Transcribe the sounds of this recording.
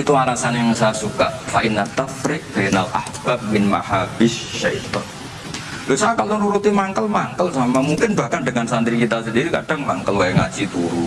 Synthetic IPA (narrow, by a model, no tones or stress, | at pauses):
it̪uaɾasanjaŋsaasukaʔfaʔinat̪afɾɪʔ̚b̥analʔa̰hb̥ap̚mɪnma̰habɪsʃait̪ɔn | dosaakaloɾuɾut̪imaŋkəlmaŋkəlsamamuŋkɪnbahkandəŋansant̪ɾikit̪asəndiɾika̰d̥aŋmaŋkəlwajɛŋa̰̥d͡ʒit̪uɾu